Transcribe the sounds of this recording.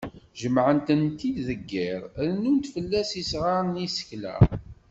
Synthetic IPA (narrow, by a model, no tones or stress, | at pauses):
ʒəmʕənt̪ənt̪id̪ðəɡːɪɾɾnunt̪fəlːæsisʁaɾˤnisə̥çlæ̰